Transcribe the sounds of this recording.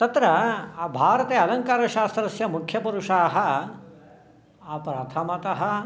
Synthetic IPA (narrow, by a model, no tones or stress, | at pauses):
t̪ɐt̪ɾɐabʱaːɾɐt̪eːɐlɐŋkaːɾɐʃaːst̪ɾɐsjɐmukʰjɐpuɾuʂaːɦɐ̆ | apɾaːt̪ʰɐmɐt̪ɐɦɐ